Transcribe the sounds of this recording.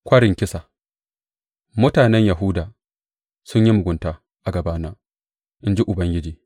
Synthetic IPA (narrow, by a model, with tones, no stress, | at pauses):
kʷɐ˦ɽɪ˨ŋkʲɪ˦sa˨ | mʊ˦taː˨nɛ˦ɲja˨ɦʊ˦daː˨ | sʊ˦ɲji˦mʊ˨ɡʷʊ˨ntaː˨ | ʔa˨ɡɐ˨baː˦naː˦ | ʔɪ˦nd͡ʒi˦ʔʊ˨bɐ˦ŋɡʲɪ˦d͡ʒiː˨